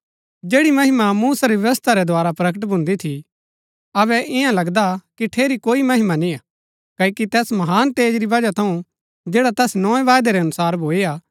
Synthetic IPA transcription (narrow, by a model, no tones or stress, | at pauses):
d͡ʒeːɽimɐɦɪmamuːsaɾiʋjɐʋəst̪ʰaɾɛd̪ʱoaːɾapɾɐkəʈ̬bʱʊ̃nd̪it̪ʰi | ɐbɛʔɪjãlɐɡd̪akiʈʰeːɾikoːimɐɦɪmanĩa | kɐikit̪ɛːsmɐɦaːnt̪eːd͡ʒɾibɐd͡ʒat̪ʰɐũ | d͡ʒeːɽat̪ɛːsnɔːẽʋaːjd̪eɾɛɐnʊsaːɾbʱoːeaː